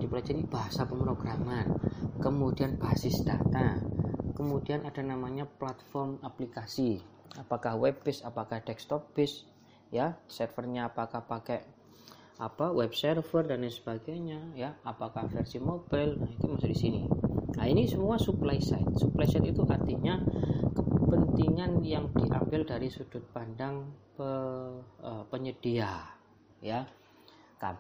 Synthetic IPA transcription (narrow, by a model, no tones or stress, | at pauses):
d̥ipəlad͡ʒaɾib̥aɦasapəmpɾoɡɾamankəmudianb̥aɦsɪsd̥at̪akəmudianʔad̥anamaɲaplat̪fɔrmaplikasiapakahwɛbɪsapakahd̪ɛkst̪ɔpɪs | jasərfərɲaːpakahpakɛʔ | ʔapawɛb̚sərfərdansəb̥aɡajɲajaːpakahfərsimobalnahit̪umasudisiniainisəmuasuplajsa̰t̪̚suplajsajt̪it̪uʔart̪iɲakəpənt̪iŋanjaŋd̥iʔa̰mbɪldaɾisud̥ʊt̪̚pandaŋpə | əpəɲəd̥ia | ja | ka̰